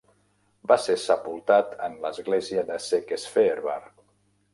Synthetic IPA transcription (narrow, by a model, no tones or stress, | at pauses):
basesəpulˠt̪at̪ənləzɣleziəðəsekesfeːɾβa̰ɾ